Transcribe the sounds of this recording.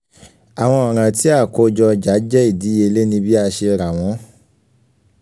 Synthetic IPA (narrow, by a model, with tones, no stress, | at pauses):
a˨w̃ɔ̃˧ɔ˨ɾ̃ã˧ti˦a˦˨ko˨˦d͡ʒɔ˧d͡ʒa˨˦d͡ʒɛ˦i˦˨di˨˦e˧le˦nĩ˧bi˦a˦˧ʃe˧ɾa˨w̃ɔ̃˨˦